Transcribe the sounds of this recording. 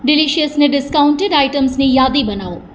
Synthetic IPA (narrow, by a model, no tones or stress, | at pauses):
ɖiliʃijəsneɖɪskawʊɳʈeɖajʈəmsnijaːd̪ibɐnaːu